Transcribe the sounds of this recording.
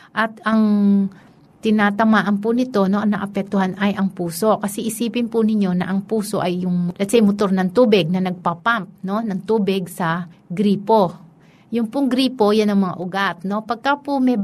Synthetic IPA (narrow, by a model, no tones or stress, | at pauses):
ʔɐt̪ɐŋ | t̪ɪnaːt̪ɐmaːʔɐnpʊnɪt̪o̞no̞ʔɐŋnɐʔɐpɛk̚t̪ʊhanɐjʔɐŋpuːso̞kɐsɛʔɪsiːpɪnpʊnɪɲːo̞nɐ̰ʔɐŋpuːso̞̰ʔɐjːʊŋmlɐt̪sɛjmot̪o̞ɾnɐŋt̪uːbɪɡ̚nɐnɐɡ̚papamp̚no̞nɐŋt̪uːbɪɡsɐɡɾiːpo̞ | jʊŋpʊŋɡɾiːpo̞jɐnɐŋmɐŋa̰ʔʊɡat̪̚no̞pɐɡ̚kapʊmɛ